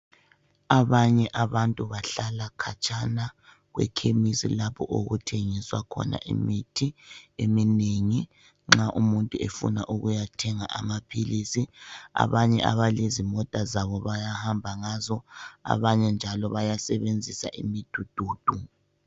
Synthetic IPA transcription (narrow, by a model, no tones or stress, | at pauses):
aβaɲɛʔaβantʼuβaɬalakʰat͡ʃʼana | ɣwɛ̰kʰemisḭlapʰɔ̰ʔoɣutʰeŋiswakʰɔ̰na̰ʔḭmitʰiemineŋi | ŋ͡ǁaʔumuntʼuefṵna̰ʔuɣujatʰɛŋaʔamapʰilisia̰βaɲɛʔa̰βalezimɔtʼazaβɔβajahambʱaŋazɔa̰βaɲɛnd͡ʒʱalɔβajasɛβend͡zʱisa̰ʔimid̥ʱud̥ʱuːd̥ʱu